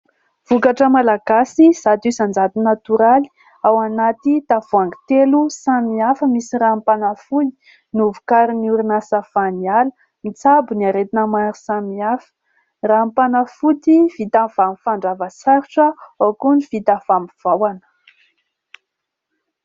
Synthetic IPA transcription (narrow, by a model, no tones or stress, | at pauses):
v̥ukaʈ͡ʂəmalaɡasiz̥ad̪uzand͡zat̪inat̪uɾali̥ | awanat̪it̪av̥uaŋɡi̥t̪elusamiafəmisirampanafuji̥ | nuvu̥kaɾiniuɾinasafanialə | mit͡sabuniaɾet̪inəmaɾisamiafə̥ | rampanəfut̪iv̥it̪av̥amifaɳɖ͡ʐavəsaɾiʈ͡ʂəokunivit̪av̥amiv̥awanə̥